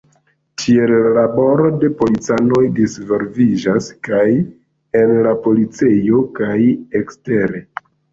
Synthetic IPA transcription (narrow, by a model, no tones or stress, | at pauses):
tʰie̞llabo̞ɾo̞de̞po̞lit͡sano̞jdisvo̞ɾvid͡ʒaskaj | e̞nlapo̞lit͡se̞jo̞kaje̞kste̞ɾe̞